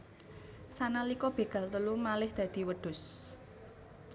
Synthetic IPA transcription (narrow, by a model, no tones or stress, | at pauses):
sanalikɔb̥e̤ɡ̥a̤lt̪əlumalɪhd̪̥ä̤d̪̥i̤wəɖ̥ʊ̤s